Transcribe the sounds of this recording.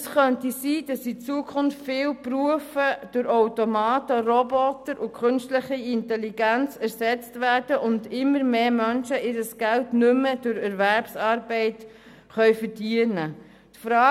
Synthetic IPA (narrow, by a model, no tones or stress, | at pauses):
sχœntisiːd̥ɑsit͡suəkʰʊnftfɪːlpɾuəfəd̥ʊɾoʊtomɑːtəɾɔbɔtəɾʔʊkʰχʏnstləχiɪntɛliɡænt͡sæɾsɛt͡stvæːɾdəʔʊndɪmːəɾmeːmœnʃəʔɪdəsɡ̥æltnʏməd̥ʊɾɛɾvæɾpsɑːɾbɛɪt | χœʏfəɾdiənə | tfɾɑː